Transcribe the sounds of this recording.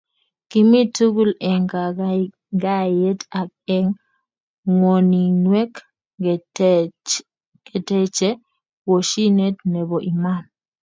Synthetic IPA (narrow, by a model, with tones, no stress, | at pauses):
ki˨mi˦tu˦ɡu˦lɛ˨ŋa˨ | ɡa˦je˦ta˨k̚ɛ˦ŋ | ŋo˨ni˨nwɛ˦k | ke˨tɛ˦t͡ʃe˦ | wo˨ʃi˦ne˦tne˨bo˨ʔi˨ma˦˨n